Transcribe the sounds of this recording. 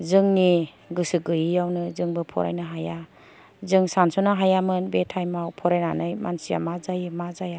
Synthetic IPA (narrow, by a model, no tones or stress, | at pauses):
zɯŋni | ɡɯsɯɡɯjijawnɯzɯŋbɯpʰɔ̰ɾa̰jnɯɦaja | zɯŋsansɔnaɦajamɯnbetʰajmawpʰɔɾajnanɯjmansija̰mazajɯmazaja